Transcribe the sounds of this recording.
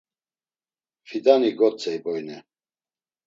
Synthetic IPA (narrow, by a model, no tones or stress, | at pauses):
fid̪aniɡɔt͡sʰʼɛjbɔjnɛ